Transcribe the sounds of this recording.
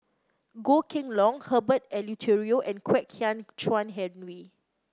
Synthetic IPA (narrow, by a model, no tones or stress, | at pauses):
ɡokʰɪ̃ŋlɔ̃ŋhəbətɛlitʰiɹioʔɛ̃nkʰwɛkʰjãnt͡ʃwãnɦɛdnwi